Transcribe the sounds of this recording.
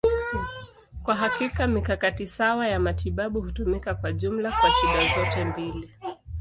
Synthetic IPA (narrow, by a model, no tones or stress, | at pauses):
kwaɦakikamikakatisawajamatiɓaɓuhutumikakwaʄum̩lakwaʃuɗazɔtɛmbili